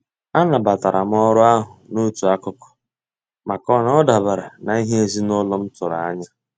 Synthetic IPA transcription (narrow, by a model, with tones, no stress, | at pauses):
a˦na˨ba˨ta˨ɾa˨m̩˦ɔ˦ɾʊ˦a˦ɦʊ˨no˦tu˨a˦kʊ˦kɔ̥˨ | ma˨kɔ˦nɔ˦da˨ba˨ɾa˨na˨i˦ɦe˦e˦zi˦nʊ˦lɔ˦m̩˦tʊ˨ɾa̰˨a˦ɲa˦